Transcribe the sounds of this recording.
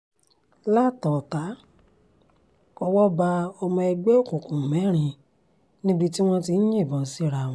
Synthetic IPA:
la˦˨tɔ˨ta˨˦ | ɔ˧wɔ˦ba˧o˧mɔ̃˧ɛ˧ɡ͡be˦o˦˨kũ˨kũ˨mɛ̃˨˦ɾ̃ĩ˧ | nĩ˦bi˧ti˦w̃ɔ̃˦ti˧n̩˦ɲĩ˦˨bɔ̃˨˧si˦ɾa˧˨w̃ɔ̃˧

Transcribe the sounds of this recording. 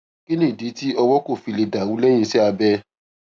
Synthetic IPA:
ki˦nĩ˦˨di˨˦ti˦ɔ˧wɔ˦ko˦˨fi˧le˧da˨wu˨˦lɛ˦j̃ĩ˧˦ʃɛ˦a˧bɛ˧

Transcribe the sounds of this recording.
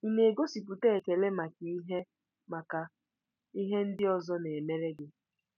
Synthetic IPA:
i˦˨ne˨e˨ɡo˦si˨p̬u˨te˦˨ke˨le˦ma˨ki˨i˦ɦe˦ | ma˨ka˨ | i˦ɦe˦n̩˦dɪ˦ɔ˨zɔ˦ne˨e˨me˦ɾe˦ɡɪ˦

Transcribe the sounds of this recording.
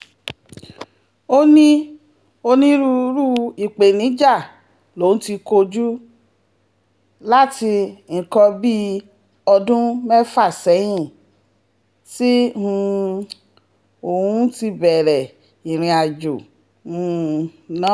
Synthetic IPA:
o˧nĩ˦ | o˧nĩ˦ɾu˦ɾu˦i˨k͡pe˨nĩ˨˦d͡ʒa˦˨ | lo˨˦ũ˦ti˧ko˧d͡ʒu˦ | la˦ti˧n̩˨kɔ˧bi˦ | ɔ˧dũ˦mɛ˦fa˦˨sɛ˨˦j̃ĩ˦˨ | si˦ũ˦˧ | o˨ũ˨˦ti˧bɛ˨ɾɛ˨ | i˨ɾ̃ĩ˧a˨d͡ʒo˨ | ũ˨nã˨˦

